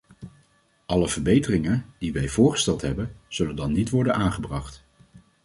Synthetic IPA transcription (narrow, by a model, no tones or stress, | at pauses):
ʔɑləv̥əɹbejtərɪŋənd̥iʋɛjv̥ʊːɹχə̥stɛlˠtɦɛbənz̥ɵləndɑnːitʋɔɹdənʔaːnχəbrɑχt